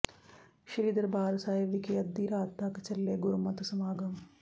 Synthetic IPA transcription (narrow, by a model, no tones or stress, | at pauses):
ʃiɾiːd̪ɐɾbʱaːlɐsaːjɐʋikiɐd̪ːiːɾaːt̪ːaːkɐt͡ʃɐlːeːɡuɾumɐt̪usɐmaːɡɐm